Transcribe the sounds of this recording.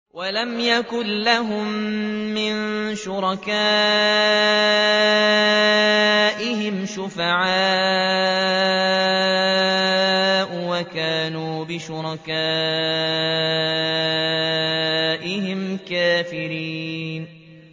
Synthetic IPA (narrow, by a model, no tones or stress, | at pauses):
walamjakʊnlaɦʊmːɪnʃʊɾˤɑkaː | ʔɪɦɪmʃʊfaʕaː | ʔwakaːnuːbɪʃʊɾˤɑkaː | ʔɪɦɪmkaːfɪɾiːn